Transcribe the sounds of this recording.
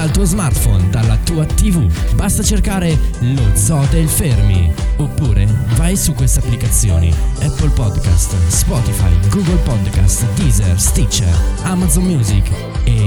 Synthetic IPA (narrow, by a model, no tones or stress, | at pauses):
d̪alt̪uːozmart̪fɔnd̪alːat̪uːat̪ivubast̪at͡ʃerkaːɾelod̪zɔd̪elfermḭopːuːɾevajsukːwest̪apːlikat̪sːjo̰ːnḭɛpːəlpɔd̪ka̰st̪spɔt̪ifa̰jɡuɡolpɔd̪ka̰st̪d̪izerst̪it͡ʃːa̰amad̪zommjuːzik | e